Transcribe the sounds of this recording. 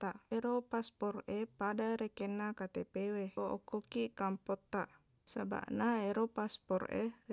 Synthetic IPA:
t̪aʔeɾopaspɔrepadaɾekenakat̪epeweɔ̰kːokikampɔt̪ːaʔ | saba̰ʔnaeɾopaspɔrḛr

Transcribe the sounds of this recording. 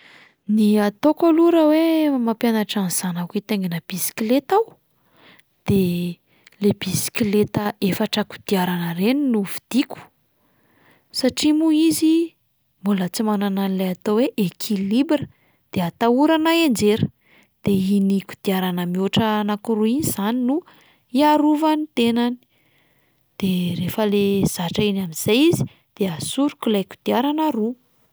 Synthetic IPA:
niat̪okoluɾəwemapjanaʈ͡ʂaniz̥anakit̪eŋɡinəb̥isi̥kilet̪aw | d̪̥e | lebisi̥kʲilet̪əefaʈ͡ʂaku̥d̪̥iaɾanəɾeninuvi̥d̪̥iku̥ | saʈ͡ʂimuizi | mbulət͡simanananilejat̪oweʔekʰilibrə | d̪̥eat̪auɾanaend͡ʒeɾ | d̪̥einiku̥d̪̥iaɾanəmioʈ͡ʂənakuɾuinizaninu | iaɾuvanit̪enani̥ | d̪̥erefəlez̥aʈ͡ʂainaminz̥ajizi̥ | d̪̥easuɾukʲulajku̥d̪̥iaɾanaɾu

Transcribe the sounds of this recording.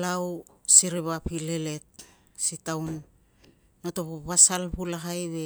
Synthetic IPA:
lawsiɾiβapile̞le̞t̚ | sitawnː | oto̞βoβasalβulaɦajβe̞

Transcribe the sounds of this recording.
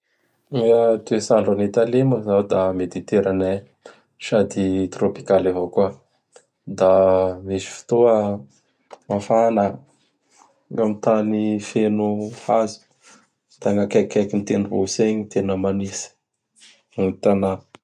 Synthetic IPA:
iat̪esaɳɖ͡ʐanit̪aleməzad̪amed̪it̪eɾane | ʃad̪it̪ropi̥kalavokua | d̪amisi̥fi̥t̪oə | mafana | ɡamit̪anifenuazi̥ | t̪aŋakakʲakinit̪enbo̰seɲit̪enəmanisi̥ | ut̪ana

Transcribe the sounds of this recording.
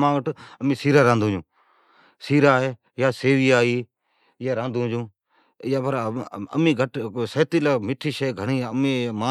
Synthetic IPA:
mãːɡəʈəmĩːsiːɾaːɾãːnd̪ũːd͡ʒũː | siːɾaːɦeː | jaːseːʋiːaːiː | jaːɾãːnd̪ũːd͡ʒũː | jaːpəɾəmĩːɡʱəʈsəːt̪iːlaːmɪʈʰiːʃəːɡʱəɳiːmẽːmaː

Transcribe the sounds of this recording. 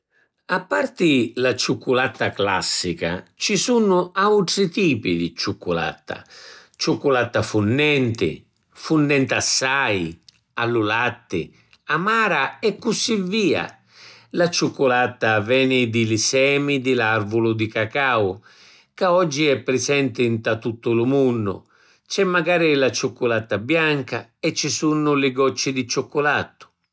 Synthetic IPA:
apːart̪ɪlat͡ʃukːulat̪ːakla̰sːika̰t͡ʃisunʊawt̪ɾit̪iːpid̪it͡ʃukːula̰t̪ːa̰t͡ʃukːulat̪ːafunːɛnt̪ɪ̰ | funːɛnt̪asːaːj | alːulat̪ːɪ̰ | amaːɾaɛkːusivːiːa̰ | lat͡ʃʊkːʊlat̪ːavɛːnɪd̪ɪlɪsɛːmid̪ɪlarvʊlʊd̪ɪkakaw | kaɔd͡ʒːiɛpːɾɪsɛnt̪ɪnt̪at̪ːut̪ːʊlʊmunːʊ̰ | t͡ʃɛmːaɡaːɾɪlat͡ʃʊkːʊlat̪ːabjaŋkaɛt͡ʃːɪsunːʊlɪɡɔt͡ʃːɪd̪ɪt͡ʃokːʊlat̪ːʊ̥

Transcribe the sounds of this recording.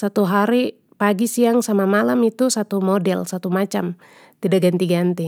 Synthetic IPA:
sat̪uɦaɾi | paɡisiaŋsamamalamit̪usat̪umɔdɛlsat̪umat͡ʃam | t̪idaɡant̪iɡant̪i

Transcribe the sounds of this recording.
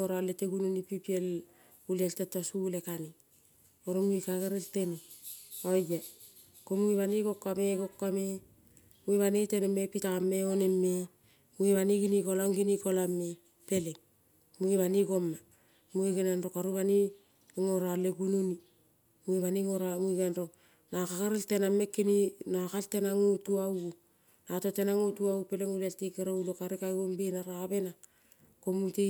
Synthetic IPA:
oɾoalːeteɡununipipiel | ulieltetosulekani | oɾomuikaɡeɾeltenioja | komuiβaniɡokːameɡokːame | muiβanitenemepitaamːeonemːe | muiβaniɡinikolaŋɡinikolamːe | pelek̚ | muiβaniɡo̞mːa | muiɡenanro̞kaɾuβani | ŋoɾaleɡununi | muiβaniŋoɾamuiɡanɾo̞ | nakakaɾeltename̞kːininakaltenaŋutuaw | natotenaŋotuawpe̞leŋulaltikeɾoulokaɾikajombinaɾaβe̞na | komuti

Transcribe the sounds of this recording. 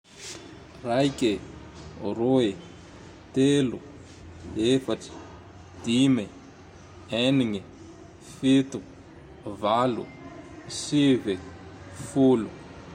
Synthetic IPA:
rajkʲe | roe | t̪elu | efaʈ͡ʂi̥ | d̪̥imi | eniŋi | fit̪u | valṵ | sivefulu

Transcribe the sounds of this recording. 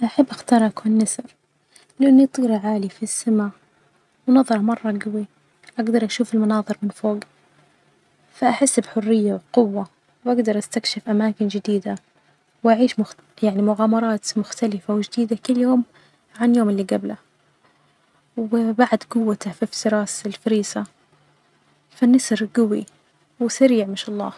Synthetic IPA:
ʔaħabːʔaxt̪ɑːɾˤakːunːasɾ | lɪʔanːit̪ˤiːɾʕaːlifisːama | wnɑðˤɑɾˤɑmɑrˤːɑɡawi | ʔaɡd̪ɑɾˤʔaʃuːfɪlmʊnɑːðˤɨɾmɪnfoːɡ | faʔaħɪsːbħʊrːɪjːawqʊwːa | wʔaɡd̪ɑɾˤʔast̪akʃɪfʔamaːkɪnd͡ʒɪd̪iːd̪a | wʔaʕiːʃmʊ | jaʕnimʊɣaːmɑɾˤɑːt̪mʊxt̪alɪfawd͡ʒd̪iːd̪akʊlːjoːm | ʕanjoːmɪlːiːɡabla | wɪbaʕd̪ɡʊwːat̪afift̪ɪɾˤɑːsɪlfɪɾiːsa | fanːɪsɾɡawi | wɪsaɾiːʕmɪʃɑlˤːɑ̰ː

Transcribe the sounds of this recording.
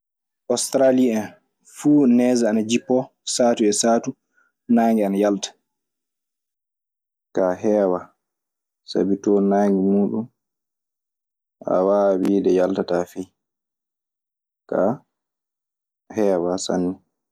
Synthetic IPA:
ʔɔstɾaliɛn | fuːnɛzaanad͡ʒipːɔ | saːtuɛsaːtu | naːŋɡɛanajaltḁ | kaɦɛːwa | sa̰bitɔnaːŋɡimuːɗum | ʔa̰waːwiːdɛjaltatafi | ka | hɛːwasa̰nːi

